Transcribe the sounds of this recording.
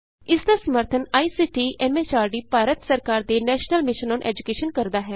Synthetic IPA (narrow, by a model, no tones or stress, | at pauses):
ɪsd̪aːsəməɾt̪ʰənaːiːsiːʈiːʔɛːmeːt͡ʃaːɾɖiːpaːɾət̪səɾkaːɾd̪eːnɛːʃnəlmɪʃənɔːnʔɛ̰ːd͡ʒʊkeːʃənkəɾd̪aːɦɛː